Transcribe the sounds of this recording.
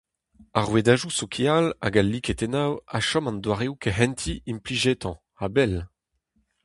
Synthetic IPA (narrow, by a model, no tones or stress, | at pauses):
aʁwed̪aʒusokʰeala̰ɡalːiket̪enawaʃɔmɑ̃nd̪waʁeukeɦɛ̃nt̪ʰiimpliʒet̪ɑ̃ | abɛl